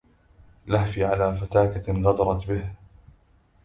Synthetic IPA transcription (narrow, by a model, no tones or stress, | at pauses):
lahfiʕalaːfat̪aːkaɣɑd̪ɑɾˤɑt̪bɪh